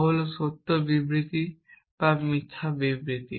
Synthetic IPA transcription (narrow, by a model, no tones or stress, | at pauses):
ɦolosot̪ːobibɾit̪i | bamit̪ʰːabibɾit̪i